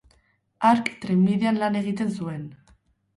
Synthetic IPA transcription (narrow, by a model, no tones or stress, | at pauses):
aɾkt̪ɾimːiðeanlane̞ɣ̞it̪e̞ns̬ue̞n